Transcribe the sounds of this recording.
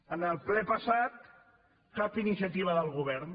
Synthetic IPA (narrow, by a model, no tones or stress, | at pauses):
ənəlˠplɛpəsat̪̚ | kapinisjət̪iβ̞əðəlˠɣuβ̞ɛɾn